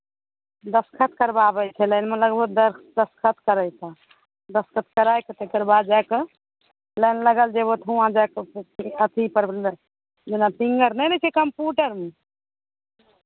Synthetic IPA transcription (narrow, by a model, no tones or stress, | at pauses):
d̪əskʰət̪̚ʰkəɾbabɛt͡ʃʰɛlənmeləɡbəd̪əd̪əskʰət̪ʰkəɾəjt͡ʃʰa | d̪əskʰət̪ʰkəɾajkət̪ekəɾbad̪̚d͡ʒajk | lənləɡəld͡ʒebot̪ʰɦuãd͡ʒakət̪ʰipəɾ | d͡ʒenat̪iŋɡəɾnɛnɛt͡ʃʰɛkəmpjuʈəɾme